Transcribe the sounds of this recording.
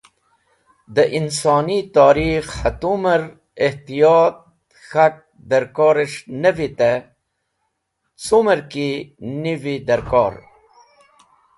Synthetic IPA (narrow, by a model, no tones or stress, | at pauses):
d̪əʔinsɑːnit̪ɑːɾixhat̪uməɾ | eht̪ijɑːt̪̚ | xaʈ̚ | d̪ɐɾkɔːɾeʂnəvit̪e | t͡suməɾkinivid̪ɐɾkɔːɾ